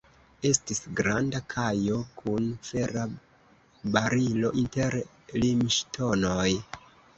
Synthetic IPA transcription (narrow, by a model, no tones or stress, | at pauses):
e̞stisɡɾandakʰajo̞kʰunfe̞ɾa | baɾilo̞ʔinteɾ | limʃtʰo̞no̞j